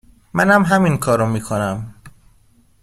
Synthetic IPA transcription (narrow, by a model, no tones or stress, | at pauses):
mænhæmɦæminkʰɒːɾomiːkʰonæm